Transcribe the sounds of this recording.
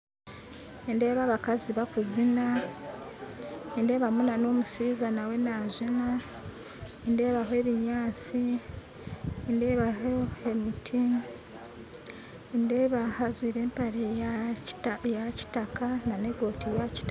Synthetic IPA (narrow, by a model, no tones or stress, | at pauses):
ende̞ːβaβakaziβakuzina | ende̞ːβamunano̞ːmusizanawe̞naʒina | ende̞ːβaɦoe̞ːβiɲaːt͡si | ende̞ːβaɦoemutʰi | endeːβahazwiːɾe̞ːmpaɾe | jaci̥takanane̞ɡo̞ːtijaci̥ta